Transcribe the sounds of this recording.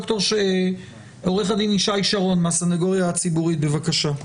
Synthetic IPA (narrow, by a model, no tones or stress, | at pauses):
ktoʁʃe | oʁeχadiniʃaiʃaʁo̞nmeasanaɡoʁjaːt͡sibuʁit̚be̞vakaʃa